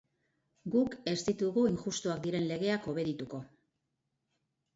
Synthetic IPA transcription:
ɡuke̞st̪it̪uɣuiŋʝust̪uakd̪iɾe̞nle̞ɣ̞e̞ako̞βe̞ðit̪uko̞

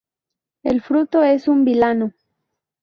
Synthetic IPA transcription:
ḛlfɾut̪oe̞sumbilano

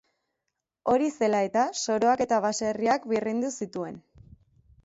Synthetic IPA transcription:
o̞ɾise̞lae̞t̪aso̞ɾo̞ake̞t̪aβase̞riakβirind̪usit̪ue̞̰n

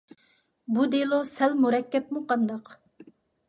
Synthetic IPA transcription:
bud̪elˠusælmuɾɛkʲːɛpmuqʰɑnd̪ɑq

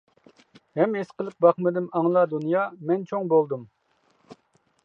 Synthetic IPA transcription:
hɛmesqəlˠɨp̚bɑχmɨd̪ɪmɑŋlˠɑd̪unjɑːmɛnt͡ʃʰoŋbolˠd̪um

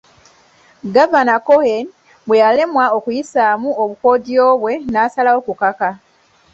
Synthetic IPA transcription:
ɡavanakohen | bwe̞jale̞mwao̞kujisaːmuoβuko̞ːdio̞ːβwe̞naːsalawo̞kukaka

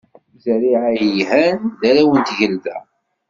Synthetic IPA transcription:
zɾiʕajhændæɾæwənt̪ʝəlvæ̰

